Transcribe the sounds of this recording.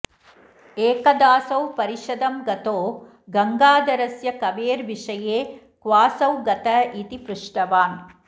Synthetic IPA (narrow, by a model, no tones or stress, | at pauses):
eːkɐd̪aːsɐwpɐɾiʂɐd̪ɐmɡɐt̪oː | ɡɐŋɡaːd̪ɐɾɐsjɐkɐʋeːɾʋiʂɐjeː | kʋaːsɐwɡɐt̪ɐʔit̪ipɾuʂʈɐʋaːn